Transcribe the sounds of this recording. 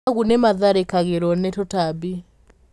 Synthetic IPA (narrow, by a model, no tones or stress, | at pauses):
ɣunɛmaðaɾɛkaɣɛɾɔnɛtɔtabi